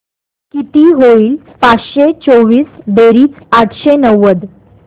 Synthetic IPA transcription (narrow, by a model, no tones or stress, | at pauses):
kit̪iːɦoiːl | pat͡sɕet͡soʋiːsd̪eɾiːt͡s | aʈʰɕenəʋːəd̪